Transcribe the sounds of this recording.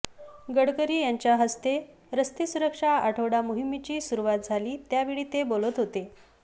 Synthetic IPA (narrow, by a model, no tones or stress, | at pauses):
ɡəɽkəɾiːjaɲt͡ɕjaɦəst̪e | ɾəst̪isuɾəkʂaaʈʰəʋɽamuɦimːit͡ɕiːsuɾuʋat̪̚d͡zʱaliːt̪jaʋiɭiːt̪ebolət̪ɦot̪e